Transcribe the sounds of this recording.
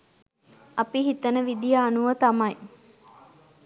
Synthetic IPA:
ɐpiɦit̪ənəʋid̪ijaːnuʋət̪amɐj

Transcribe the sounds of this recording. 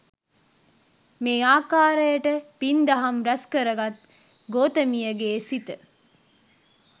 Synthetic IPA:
meaːkaːɾəjɐʈəpind̪ɐɦɐmɾɐskəɾəɡɐt̪̚ | ɡoːt̪əmijəɡeːsit̪ə

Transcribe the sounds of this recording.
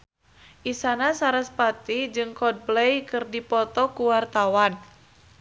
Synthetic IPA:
ʔisanasaɾəspat̪id͡ʒɨŋkɔd̚blɛjkɨrdipɔt̪ɔkuwart̪awan

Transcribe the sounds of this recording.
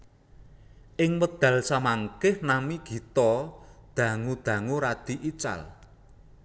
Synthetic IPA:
ʔɪŋwəd̪̥ä̤lsamaŋkɪhnamiɡ̥i̤t̪ɔd̪̥ä̤ŋud̪̥ä̤ŋuɾad̪̥i̤ʔit͡ʃa̰l

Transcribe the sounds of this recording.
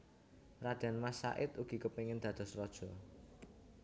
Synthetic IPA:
rad̪̥a̤nmasa̰ʔɪt̪uɡ̥i̤kəpeŋɪnd̪̥ä̤d̪̥ɔ̤srɔd̥ʒ̥ɔ̤

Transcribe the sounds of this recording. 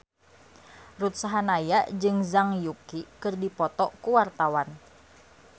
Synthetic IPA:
rut̪saɦanajaʔd͡ʒɨŋzaŋjukikɨrdipɔt̪ɔʔkuwart̪awan

